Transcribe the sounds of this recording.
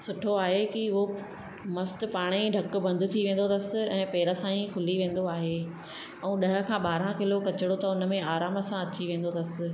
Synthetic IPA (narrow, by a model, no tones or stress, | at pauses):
sʊʈʰoaːɦekiʊɦo | mɐsʈ̪̆paːɽ̃iɖʱɐkʊ̆bɐ̃nd̪ʱɪ̆t̪ʰiʋẽːn̆d̪ot̪ɐsɪ̆ɛ̃ːpeːɾəsãːĩkʰʊliʋẽːn̆d̪oaːɦe | ɛ̃ũɗɐɦə̆kʰãːɓaːɾãkɪlokɐt͡ɕɪɽot̪ɐʊnəmẽaːɾaːməsãɐt͡ɕiʋẽːn̆d̪ot̪ɐsɪ̆